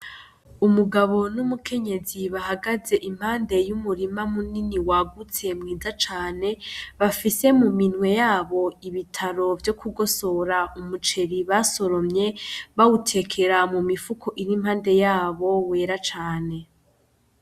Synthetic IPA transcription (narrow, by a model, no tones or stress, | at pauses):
umuɡaβo̞numukʰe̞ɲe̞ziβahaɡaze̞ʔim̥haːnde̞jumuɾimamuniniwaɡut͡se̞mŋiːzat͡ʃaːne̞βafise̞muminwe̞jaːβo̞iβitʰaɾo̞vjo̞kuɡo̞so̞ɾaumut͡ʃe̞ɾiβaso̞ɾo̞mɲe̞βawutʰe̞kʰe̞ɾamumifukʰo̞ʔiɾim̥haːnde̞jaːβo̞we̞ːɾat͡ʃaːne̞